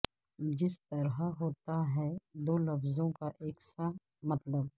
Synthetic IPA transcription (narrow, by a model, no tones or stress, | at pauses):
d͡ʒɪst̪ɐɾɦaɦoːt̪aɦɛd̪oːlɐfzõkaʔeːksa | mɐt̪ləb̚